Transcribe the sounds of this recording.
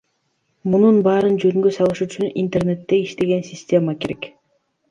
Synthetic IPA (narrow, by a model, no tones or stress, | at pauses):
mununbɑːɾɯnd͡ʒø̞ŋɡøsɑlˠɯʃyt͡ʃynḭnt̪e̞rne̞t̪ːe̞iʃt̪e̞ɡe̞nsʲɪsʲtʲe̞make̞ɾek